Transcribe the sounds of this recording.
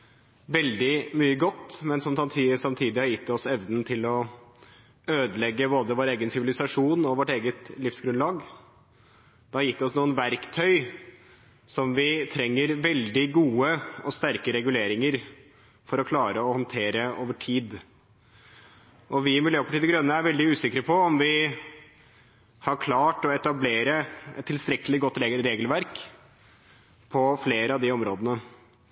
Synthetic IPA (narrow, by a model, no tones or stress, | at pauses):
ʋɛld̪ɪmyːəɡɔt̪ːmɛnsɔmsɑmt̪ʰisɑmt̪ʰiːd̪ɪhɑɾjɪt̪ːɔsɛʋnnt̪ʰɪlɔ | øːd̪əlɛɡːəboːd̪əʋoːɾeːɡənsɪʋɪlɪsɑʂuːnɔʋɔʈeːɡət̪lɪfsɡɾʉnlɑːɡ | d̪̥ɛhɑɾjɪt̪ːd̪ɛɔsnuːənʋæɾkt̪ʰœʏ | sɔmʋɪt̪ʰɾɛŋːəɾʋɛld̪ɪɡuːəɔst̪æɾkəɾɛɡʉleːɾɪŋəɾ | fɔɾɔkʰlɑːɾəɔhɔnt̪ʰeːɾəoːʋəʈʰiːd̪ | ʔɔʋɪmɪljøːpʰɑʈiːd̪əɡɾœnːəæɾʋɛld̪ɪʉːsɪkːɾəpʰɔɔmʋɪ | hɑɾkʰlɑːʈɔɛt̪ɑbleːɾəɛt̪ʰːɪlst̪ɾɛkːəlɪɡɔt̪ːɾeːɡ̪ɾeːɡəlʋæɾk | pʰɔfleːɾəɑʋd̪ɪɔmɾoːd̪ənə